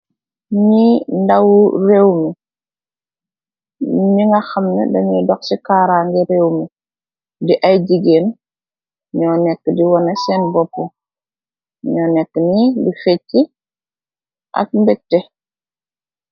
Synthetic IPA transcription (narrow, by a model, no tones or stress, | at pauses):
ɲindawuɾewmi | ɲiŋɡaxamnḛdɐɲudɔksikaɾaːŋɡiɾewmi | diʔajɟiɡen | ɲɔnɛkːdiwɔnɐsenbɔpːo | ɲɔːnɛkːnidifecːi | ʔa̰k̚mbɛtːe